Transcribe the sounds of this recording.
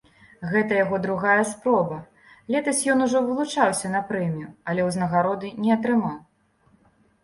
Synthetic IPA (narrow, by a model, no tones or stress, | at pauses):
ɣɛt̪ɐjaɣɔd̪ɾuɣajɐspɾɔbɐ | lʲɛt̪ɐsʲjɔnuʐɔvɨlˠut͡ʂawsʲɐnɐpɾɛmʲijuɐlʲɛwznɐɣaɾɔd̪ɨnʲɛɐt̪ɾɨmaw